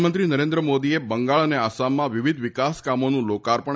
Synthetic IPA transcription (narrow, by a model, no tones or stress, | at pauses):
mə̃nt̪ɾinəɾend̪ɾəmod̪iebəŋɡaɭəneasamːãʋiʋid̪ʋɪkaskamonũlokaɾpəɳ